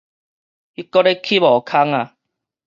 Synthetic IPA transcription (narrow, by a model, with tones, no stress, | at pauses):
i˦kːɔ˦ɾe˦kʰi˦bɔ˨kʰa˦ŋa˨